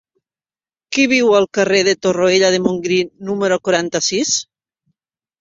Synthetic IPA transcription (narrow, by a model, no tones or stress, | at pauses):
kiβiwalˠkareðet̪oroeʎað̞emoŋɡɾinumeɾokwɾant̪asis